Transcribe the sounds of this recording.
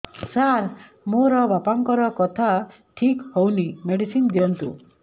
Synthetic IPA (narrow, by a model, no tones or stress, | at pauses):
saɾ | moɾɔbapaŋkɔɾɔkɔt̪ʰa | ʈʰikhownimeɽisind̪iɔnt̪u